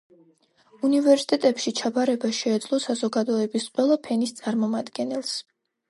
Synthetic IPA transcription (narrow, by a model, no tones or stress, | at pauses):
univɛɾsi̥t̪ʼɛt̪ʼɛpʃit͡ʃʰabaɾɛbaʃɛːd̪zlˠɔsazɔɡad̪ɔɛbisqʼwɛlˠapʰɛnist̪sʼaɾmɔmad̪ɡɛnɛlˠs